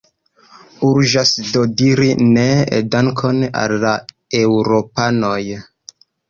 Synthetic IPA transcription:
uɾʒasdodiɾinḛdaŋkʰo̞na̰lːa | ewɾopano̞j

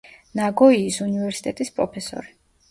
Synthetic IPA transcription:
naɡɔiːsunivɛɾsi̥t̪ʼɛt̪ʼispʼɾɔpʰɛsɔ̰ɾi

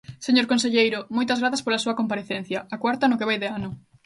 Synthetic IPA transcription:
seɲoɾkõnseʎejɾʊmojt̪ɐzɣɾaθaspolɐsuɐkompaɾeθen̟θjɐakwaɾt̪ɐnʊkeβajðeanʊ

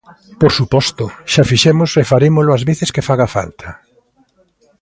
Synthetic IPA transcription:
poɾsupɔst̪ʊʃafiʃɛmʊsefaɾemolʊazβeθɪskɪfaɣafa̰lt̪ʰɐ

